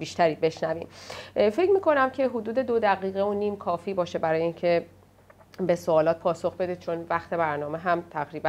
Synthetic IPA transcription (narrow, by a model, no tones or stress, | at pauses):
biːʃt̪ʰæɾiːbe̞ʃnæviːmfe̞cmiːkʰo̞næmcʰe̞ɦod̪uːd̪e̞d̪od̪æɣiːɣeoniːmkʰɒːfiːbɒːʃe̞bæɾɒːjeincʰe̞ | be̞soɒːlɒːt̪̚pʰɒːso̞xbe̞d̪eːd̪̚t͡ʃʰo̞nvæxt̪ʰe̞bæɾnɒːme̞ɦæmt̪ʰæɣɾiːbæ